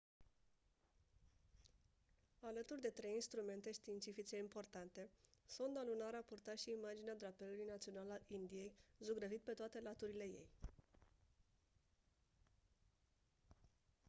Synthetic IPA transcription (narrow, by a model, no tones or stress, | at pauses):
alət̪urʲd̪e̞t̪ɾe̞jinst̪ɾume̞nt̪e̞ʃt̪iːnt̪sifit͡ʃe̞impo̞rt̪ant̪e̞sond̪alunaɾapurt̪at̪ʃiːmad͡ʒinead̪ɾapelulujnat̪sio̞nalaind̪ije̞jzuɡɾəvit̪̚pe̞t̪oat̪e̞lat̪uɾile̞je̞̰j